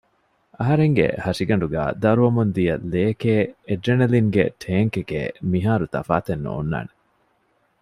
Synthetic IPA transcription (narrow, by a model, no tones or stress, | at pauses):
ɐɦɐɾeŋɡḛhɐʂiɡɐɳɖuɡæ̰ːd̪ɐɾuʋɐmund̪ijɐleːkeːeɖenɐliŋɡḛʈʰeːŋkekḛːmiɦaːɾut̪ɐ̰fa̰ːt̪enːo̰ːnːa̰ːne